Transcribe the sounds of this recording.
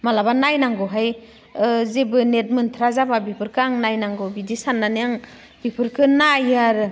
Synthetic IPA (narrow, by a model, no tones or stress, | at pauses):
malabanajnaŋɡɔɦaj | zebɯnet̚mɯntʰɾazababipʰɯɾkʰɯaŋnajnaŋɡɔbidisanːanijaŋ | bipʰɯɾkʰɯnajaɾ